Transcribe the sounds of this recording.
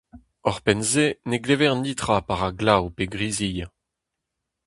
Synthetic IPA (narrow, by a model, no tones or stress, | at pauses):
ɔʁpɛnzeneɡlevɛʁnit̪χʁapaʁaɡlawpeɡʁizija